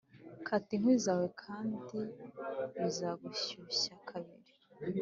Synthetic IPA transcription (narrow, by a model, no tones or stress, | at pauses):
kʰatiŋ̥wiːzawekʰaːndimuzaːɡuɕuɕakʰaβiɾi̥